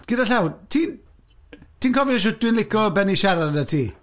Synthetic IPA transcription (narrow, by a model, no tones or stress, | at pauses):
ɡ̥ɪdaɬawtʰiːn | tʰiːnkʰɔviɔʃ̬ʊd̥wɨnlˠɪkʰɔbɛniʃɛɾadatʰiː